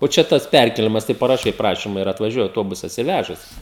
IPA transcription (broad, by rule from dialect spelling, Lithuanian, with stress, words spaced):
oː ˈt͡ʃʲɛ ˈtɐs ˈpʲærʲkʲeːlʲɪmɐs tɐɪ pɐrɐˈʃɐɪ ˈprɑːʃʲiːmɐ ɪr ɐtʋɐˈʒʲuɔjɛ ɐʊˈtoːbʊsɐs ɪr ˈʋʲæʒɐs